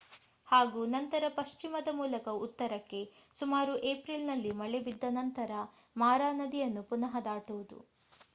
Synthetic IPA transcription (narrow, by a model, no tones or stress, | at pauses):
haːɡuːnɐnt̪ɐɾɐpɐʃt͡ʃimɐd̪ɐmuːlɐkɐut̪ːɐɾɐkːe̞sumaːɾuʔeːpɾilnɐlːimɐɭebid̪ːɐnɐnt̪ɐɾɐ | maːɾaːnɐd̪ijɐnːupunɐɦɐd̪aːʈuʋud̪ṵ